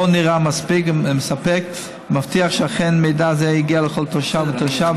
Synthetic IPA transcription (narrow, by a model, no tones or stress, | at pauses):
oniʁamaspikməsapɛk | maftiaχʃeaχɛnmeɪdazɛiɡialəχɔlˠtʰɔʃavɪt̪ɔʃa